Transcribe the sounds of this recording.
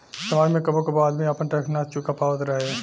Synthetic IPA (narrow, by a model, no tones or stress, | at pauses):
sɐmaːd͡ʒmẽkɐbokebaːd̪mĩɐpənʈɾɛkʰnaːt̪̚t͡ʃukapaːʋət̪ɾɐɦe